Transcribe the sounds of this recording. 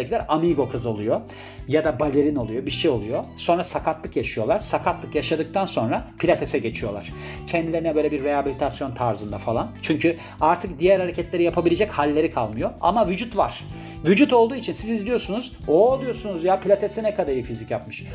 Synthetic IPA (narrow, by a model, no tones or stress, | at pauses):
cʰilʲæɾamiɡo̞kʰɯzo̞lˠujo̞ | jad̪abalʲe̞ɾino̞lˠujo̞biɾʃejo̞lˠujo̞so̞nɾasakʰat̪lˠɯkjaʃɯjo̞lˠaɾ̥sakʰat̪lˠɯkjaʃad̪ɯk̚t̪ʰanso̞nɾapʰilʲat̪ʰesɛɟe̞t͡ʃʰijo̞lˠaɾ̥ | cʰɛnd̪ilʲe̞ɾinɛbølʲebiɾːeabilʲit̪ʰasjo̞nt̪ʰaɾzɯnd̪afalˠant͡ʃʰyɲcʰy | aɾt̪ʰɯk̚d̪ijæɾhaɾecʰɛt̪lʲe̞ɾijapʰabilʲe̞d͡ʒɛchalʲːe̞ɾikʰalˠmɯjo̞a̰mavyd͡ʒut̪vaɾ̥ | vyd͡ʒut̪o̞lˠd̪uːit͡ʃʰinsizizlʲijo̞sunuz | olˠujo̞sunuzjapʰilʲat̪ʰe̞sɛnɛkʰad̪aɾɯːfizicjapmɯʃ